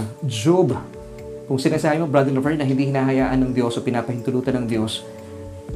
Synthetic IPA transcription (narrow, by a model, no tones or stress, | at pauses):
d͡ʒub | kʊŋsɪnasaːbɪmɐbɾad̪ɛnlovɛɹnɐɦɪnd̪iːhɪnaːɦɐjaːʔɐnɐŋd̪jo̞sopɪnaːpɐhɪnt̪ʊluːt̪ɐnɐŋd̪jo̞s